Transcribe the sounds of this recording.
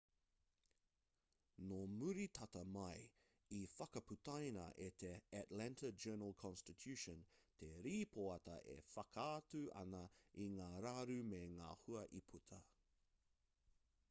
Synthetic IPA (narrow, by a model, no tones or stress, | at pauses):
nomuɾitʰɐtɐmɐj | ifɐkɐputʰɐjnɐ̰ʔet̪ʰeætlɛntɐd͡ʒɜːnəlˠkʰɔ̃nstit̪ʰjʉʃə̃nt̪ʰeɾiːpʰoɐtɐ̰ʔḛfɐkatʉʔɐ̰nɐiŋaːɾaɾʉmeŋaːhuɐʔipʰut̪ʰɐ